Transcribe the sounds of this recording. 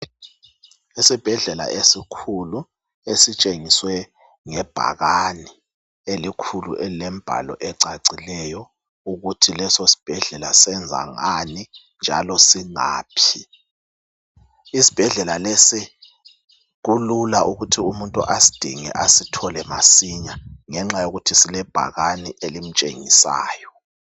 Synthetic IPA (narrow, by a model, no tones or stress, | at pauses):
esib̥ʱɛɮɛla̰ʔesikʰulu | esit͡ʃʼeŋiswɛ | ŋɛb̥ʱa̰ɣani | elikʰulṵʔɛlɛm̩b̥ʱa̰lɔ̰ʔɛǀaǀilɛjɔ | uɣutʰilɛsosi̥b̥ʱɛɮɛla̰sɛnd͡zʱa̰ŋani | nd͡ʒʱa̰lɔsiŋa̰ːpʰi | isi̥b̥ʱɛɮɛlalesi | ɣululaʔuɣutʰiumuntʼuʔasi̥d̥ʱḭŋɛ̰ʔasitʰɔlɛmasiɲaŋɛŋ͡ǁajoɣutʰisilɛb̥ʱa̰ɣaniʔelim̩t͡ʃʼḛŋḭsa̰ːjɔ